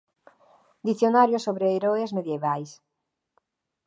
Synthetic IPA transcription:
d̪iθjonaɾjosoβɾeːɾoezmeðjeβajs

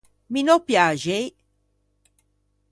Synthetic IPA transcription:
minopjaʒej

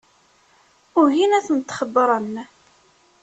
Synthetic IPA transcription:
ʊɾʝinæθənt̪ːχəd̪ˤːɾˤən

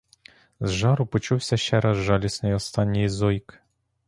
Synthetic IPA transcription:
zʒɑɾʊpɔt͡ʃuwsʲɐʃt͡ʃɛɾɑzʒɑlʲisnɪjɔst̪ɑnʲːijzɔjk

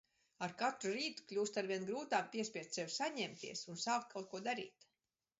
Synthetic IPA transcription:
aɾkat̪ɾuɾiːt̪u̥klʲuːst̪aɾvʲiɛnɡɾuːt̪aːmpʲiɛsʲpʲiɛt̪sewsaɲɛmt̪ḭɛsunsaːk̚t̪̚kʰawt̪̚kuɔd̪aɾḭːt̪

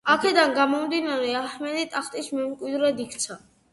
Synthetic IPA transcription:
akʰɛd̪anɡamɔmd̪inaɾɛahmɛd̪it̪ʼaχt̪ʼismɛmkʼwid̪ɾɛd̪ikʰt̪sʰa

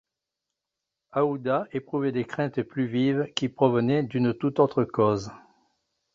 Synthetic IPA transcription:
aud̪aepχuvɛd̪ekχɛ̃t̪plyvivkʲipχɔvənɛd̪ynət̪ut̪ot̪χəkɔz

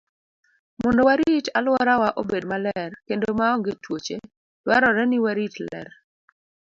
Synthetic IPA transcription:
mɔndɔwaɾitalwɔɾawaʔobedmalɛrkendomaɔŋɡetwot͡ʃe | lwaɾɔɾɛnɪwaɾitlɛ̰r

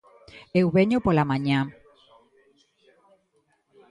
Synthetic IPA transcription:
ewβeɲopolamãɲã

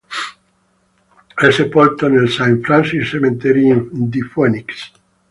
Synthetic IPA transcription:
esepolt̪onelsãɱfɾãnsissemẽnt̪eɾĩd̪ifoniks

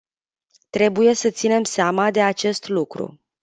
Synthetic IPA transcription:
t̪ɾe̞buje̞sət̪sine̞mseamad̪e̞at͡ʃe̞st̪lukɾṵ

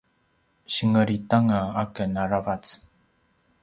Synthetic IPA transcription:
ɕiŋəɾit̪aŋaakənaɾabat͡s

